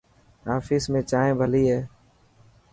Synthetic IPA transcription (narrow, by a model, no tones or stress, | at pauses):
aːfiːsmẽːt͡ʃaːẽːbʱəliːɦɛː